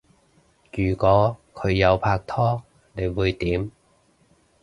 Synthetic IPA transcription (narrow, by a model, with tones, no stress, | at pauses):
jyː˨˩kɔː˨˥kʰɵ˨˧ɥjɐ˨˧wpʰaː˧k̚t̪ʰɔː˥ | ne˨˧jwuː˨˧jt̪iː˨˥m